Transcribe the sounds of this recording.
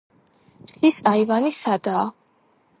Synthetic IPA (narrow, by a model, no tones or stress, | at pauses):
χisaivanisad̪aː